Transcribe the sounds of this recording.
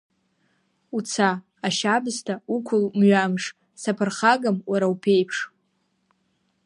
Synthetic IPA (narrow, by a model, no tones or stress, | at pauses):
ut͡sʰaː | ʃabɨztʰaukʷʰʊlmɥamʂ | sapʰɨrχaɡamwaɾaupʰe̞jpʰʂ